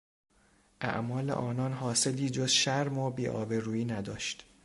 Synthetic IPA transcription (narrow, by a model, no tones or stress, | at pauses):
ʔæ̰ʔmɒːlḛʔɒːnɒːnɦɒːse̞liːd͡ʒozʃæɾmobiːʔɒ̰ːbeɾuːiːnæd̪ɒːʃt̪